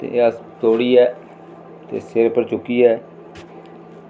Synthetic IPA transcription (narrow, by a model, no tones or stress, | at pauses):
t̪ḛat̪oːɽiːɛː | t̪ḛːseːɾepəɾt͡ʃʊkːiːɛː